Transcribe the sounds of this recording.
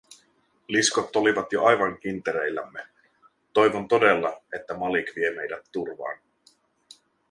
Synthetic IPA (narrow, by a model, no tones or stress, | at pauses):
liskot̪ːo̞liʋɑt̪joɑjʋɑŋk̟int̪eɾe̞jlːæ̰mːe̞ | t̪o̞jʋo̞nt̪o̞de̞lːɑe̞t̪ːæmɑlikʋie̞me̞jdæt̪ːurʋɑ̰ːn